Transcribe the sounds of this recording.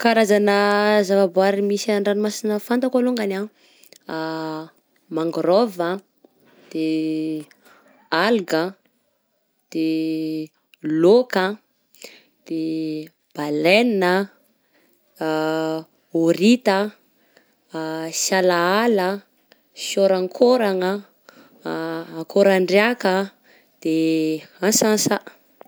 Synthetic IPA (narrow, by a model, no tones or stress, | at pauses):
kaɾazanəzavabuaɾimisaaɳɖ͡ʐanimasinəfant̪akaloŋɡana | maŋɡɾɔvə | d̪̥e | alɡə | d̪̥e | lokə | d̪̥e | b̥aleninə | oɾit̪ə | sjalaalə | sjoɾaŋkʰoɾaŋə | akʰoɾaɳɖ͡ʐeakə | d̪̥easasaʔ